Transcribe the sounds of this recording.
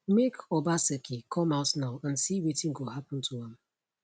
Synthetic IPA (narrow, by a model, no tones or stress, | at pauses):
mekɔbasekʰikʰɔmaʊtnaʊãnsiwetɪ̃ŋɡoɦapn̩tʰuãm